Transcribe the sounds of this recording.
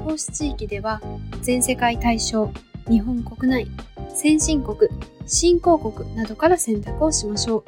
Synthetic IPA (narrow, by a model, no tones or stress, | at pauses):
to̞ːɕi̥t͡ɕiːkʲid̪e̞βazẽ̞ɰ̃se̞kait̪aiɕo̞ːɲ̟iɦõ̞ŋko̞kɯ̟naisẽ̞ɰ̃ɕĩŋko̞kɯ̟ɕĩŋko̞ːko̞kɯ̟nad̪o̞kaɾasẽnt̪akɯ̟o̞ɕimaɕo̞ː